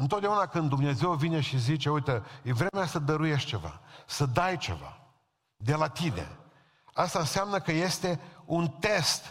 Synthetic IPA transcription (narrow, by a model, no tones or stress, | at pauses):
ɨnt̪ot̪d̪eaunakɨnd̪ːumneze̞wvine̞ʃizit͡ʃe̞ujt̪əjevɾe̞measəd̪əɾujeʃt͡ʃe̞va̰səd̪ajt͡ʃe̞̰va̰ | d̪e̞lat̪ine̞̰ | ast̪aɨnseamnəkəje̞st̪e̞unt̪e̞st̪